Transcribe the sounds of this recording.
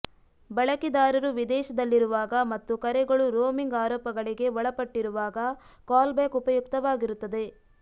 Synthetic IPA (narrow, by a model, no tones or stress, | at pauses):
bɐɭɐkid̪aːɾɐɾuʋid̪ɛːʃɐd̪ɐlːiɾuʋaːɡɐmɐt̪ːukɐɾɛɡɐɭuɾoːmiŋɡaːɾɔːpɐɡɐɭiɡe̞ʋɔɭɐpɐʈːiɾuʋaːɡɐ | kaːlbɛːkupɐjukt̪ɐʋaːɡiɾut̪ːɐd̪e̞